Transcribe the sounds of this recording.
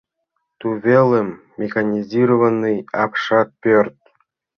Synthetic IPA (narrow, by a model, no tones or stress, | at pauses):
t̪uvʲelʲɘ̆mːʲexanʲizʲiɾovənːɯjɑpʂɑt̪̚pʲørt̪̚